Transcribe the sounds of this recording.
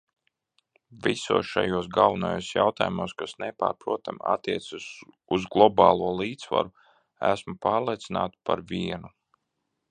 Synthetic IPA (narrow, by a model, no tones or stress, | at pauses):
visṵɔsʃajuːs̬ɡalˠvunojoːsjawt̪aːjumuːskasnɛpa̰ːɾpɾuɔt̪ama̰t̪ːiɛt̪sas | uzɡlˠɔbɑːlˠuɔlˠiːt̪sva̰ɾu | æsmupaːɾlˠiɛt̪sinaːt̪u̥paɾvʲiɛnu